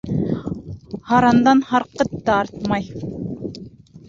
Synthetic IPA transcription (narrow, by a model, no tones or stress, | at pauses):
hɑɾɑnd̪ɑnhɑɾqɤt̪ːɑɑɾt̪mɑj